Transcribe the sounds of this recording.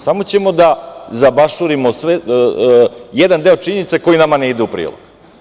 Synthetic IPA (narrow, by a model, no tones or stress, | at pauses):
samot͡ɕemo̞d̪azabaʃuɾimosʋe | jed̪and̪eot͡ʃiɲenit̪seko̞jinamaneid̪eupɾḭːlo̰ɡ̥